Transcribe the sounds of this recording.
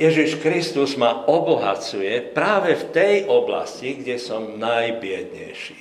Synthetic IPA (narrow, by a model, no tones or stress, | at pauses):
jɛʒiʃkɾist̪uzmaɔbɔɦa̰t͡sujɛpɾaːʋɛft̪ɛjʔɔbla̰sciɡɟɛsɔmnajbɪɛd̪ɲɛ̰jʃi